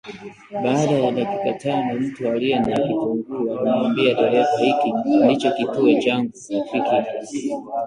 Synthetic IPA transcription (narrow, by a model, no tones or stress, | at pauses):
ɓaːɗajaɗakikatanɔm̩tualiɛnakituŋɡuaanɛambiaɗaɾɛfahikindit͡ʃɔkituɔt͡ʃaŋɡufikia